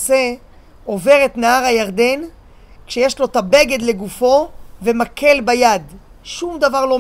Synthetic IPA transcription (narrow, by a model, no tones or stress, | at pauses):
se | o̞ve̞ʁet̪naaʁhajaʁd̪e̞n | kʃejeʃlo̞t̪abe̞ɡe̞d̪le̞ɡufo̞vemakʰe̞lbajad̪ | ʃumd̪avaʁlo̞